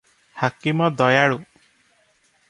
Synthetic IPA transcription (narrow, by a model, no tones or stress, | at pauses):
hakimɔd̪ɔjaɽu